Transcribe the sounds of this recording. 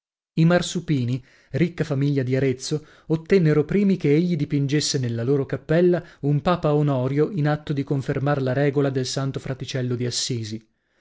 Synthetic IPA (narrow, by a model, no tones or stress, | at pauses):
imarsupiːni | rikːafamiʎːad̪iaɾet̪sːo | ot̪ːɛnːeɾopɾiːmikeeʎːid̪ipind͡ʒesːenelːaloːɾokapːɛlːaumpaːpaonɔːɾjoʔinat̪ːod̪ikoɱfermarlaɾɛːɡolad̪elsant̪ofɾat̪it͡ʃɛlːod̪iasːiːzi